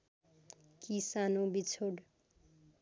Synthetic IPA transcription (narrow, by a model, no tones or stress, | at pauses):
kisanobit͡sʰoɽ